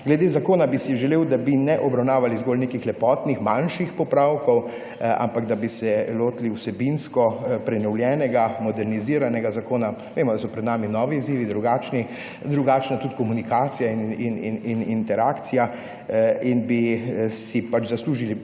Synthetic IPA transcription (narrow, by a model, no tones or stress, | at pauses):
ɡlɛd̪eːzakoːnabisiʒɛleːwd̪abinɛʔɔbɾawnaːʋalizɡoːlnekixlɛpɔːt̪nixmanʃixpɔpɾawkɔw | a̰mpaɡd̪abisɛloːt̪iliuwsɛbinskɔpɾɛnɔwljɛːnɛɡamɔd̪ɛɾniziːɾanɛɡazakoːna | ʋeːmɔd̪asɔpɾɛd̪naːminɔːʋiːziːʋid̪ɾuɡaːt͡ʃni | d̪ɾuɡaːt͡ʃnat̪ut̪kɔmunikaːt̪sijaininininint̪ɛɾaːkt̪sija | inbisipat͡ʃzasluːʒili